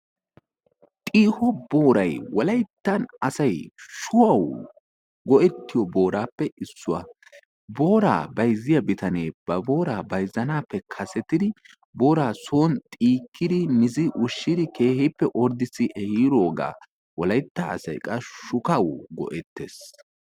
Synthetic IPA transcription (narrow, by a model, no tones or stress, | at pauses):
t̪ʼiːhɔbo̞ːɾɐjwɔlɐjt̪ːɐnɐsɐjʃʊwɐw | ɡɔʔɛt̪ːɪjɔboːɾaːpːɛɪsːʊwɐ̰ | bo̞ːɾa̰ːbɐjzːɪjɐbɪt̪ɐneːb̥ɐbo̞ːɾaːbɐjzɐnaːpːɛkʰɐsɛt̪ɪd̪ɪ | bo̞ːɾaːsoːnt̪ʼiːkʰːɪd̪ɪmɪzɪʔʊʃːɪd̪ɪkʰe̞ːhɛpːɛʔɔɾd̪ɪsːɪʔɛhiːɾo̞ːɡa̰ː | wɔlɐjt̪ːɐɐ̰sɐ̰jkʼɐʃʊkɐwɡɔ̰ʔɛt̪ːes